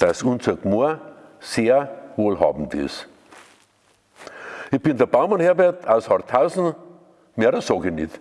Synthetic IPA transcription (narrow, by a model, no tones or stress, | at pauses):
d̥asʊnsɐkmoɐseːɐʋoːlhɑ̰ːbm̩tɪ̰s | ɪb̥ɪndəɐb̥aʊmanheɐbɛɐtʰaʊshɑʁtʰhaʊsn̩ | meɾəsoɡɪnɪ̰t